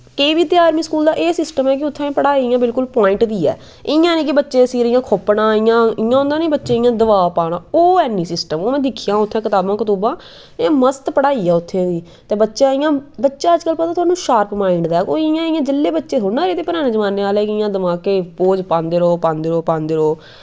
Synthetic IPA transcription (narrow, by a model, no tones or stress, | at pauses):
keibiːt̪ɪaːɾmiːskuːld̪aːʔeːsɪsʈəmɛːk̬ɪʊt̪ʰːãːpəɽaːɪjãːbɪlkʊlpaːɪ̃ɳʈd̪iːɛ̰ː | ɪjãːniːk̬ɪbətːʃẽːsiːɾɪjãːkʰoːpːnãːɪjãːɪjãːɦʊ̃nd̪aːnĩːbətːʃẽːɪjãːd̪əʋaːpaːɽ̃ãːoːɛːnːiːsɪsʈəmoːmẽːd̪ɪkʰɪjãːʊt̪ʰːãːkɪt̪aːbãːkət̪uːbãː | məst̪pəɽaːiːɛːʊt̪ʰːẽːd̪iː | t̪eːbətːʃãːɪjãːbətːʃãːəd͡ʒkəlpət̪aːt̪ʊaːnũːʃaːɾpmaːɪɳɖd̪aːɛkoːɪjãːɪjãːd͡ʒɪlːeːbətːʃeːɦʊːaːɾeːt̪eːpəɾaːneːzəmaːneːaːlɛːkɪɪjãːd̪əmaːkeːpoːd͡ʒpãːnd̪eːɾoːpãːnd̪eːɾoːpãːnd̪eːɾoː